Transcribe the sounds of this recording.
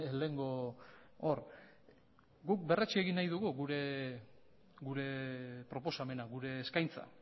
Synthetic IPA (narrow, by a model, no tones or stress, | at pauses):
leŋɡo̞ | or | ɡuk̚be̞ret͡ʃieɣinːajðuɣuɣuɾe̞ | ɡuɾe̞pɾo̞po̞same̞naɣuɾe̞ːskajnt͡sa̰